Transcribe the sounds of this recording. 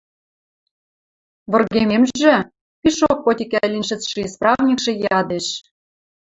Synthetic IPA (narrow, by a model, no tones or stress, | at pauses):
βɤ̆rɣememʒɘ̆ | piʃok̚pot̪ʲikælʲinʲʃɘ̆t͡sʃisprɑvnʲikʃĕjɑd̪eʃ